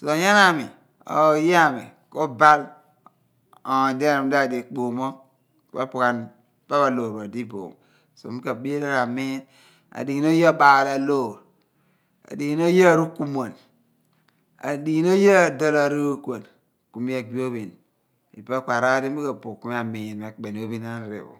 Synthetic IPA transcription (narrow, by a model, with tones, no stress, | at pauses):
so˨ja˦na˦mi˨ | o̰˨˦je˦a˦˨mḭ˨ko˦ba˦l | o˨de˦˨a˨m˦da˦˨de˨k͡po˨mo˦ | k͡pe˦pu˨ka˨n | pa˦βa˨lo˨ɾba˨di˦bo̰˨ŋ | so̰˨˦i˦ka˨bi˦ɾa˦ɾa˨mi˦n | a̰˨di˨n˦o˦je˦˨ɓa˨la˨lo˦˨ɾ | a̰˨di˨˦no˦je˦˨ɾu˦ku˦mo˨n | a̰˨di˨˦n˦o˦je˦˨do˨ɾa˨ɾo˦kʷo˨n | ku˨mi˦a˨ɡi˦o˦βi˨n | ḭ˨be˦kʷa˨ɾa˦di˦i˦ka˨bo˨ku˦mi˦a˨mi˨nme˨k͡pe˨n˨o˦bi˦na˦n˦ɾḛ˨bo̰˨